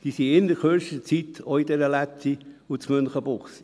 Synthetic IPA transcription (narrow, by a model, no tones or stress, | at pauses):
d̥̪iːsiɪnəɾkøʃət͡sit̪ʰoid̪ɛɾəlætʰi | ut͡smʏnχəbʊχs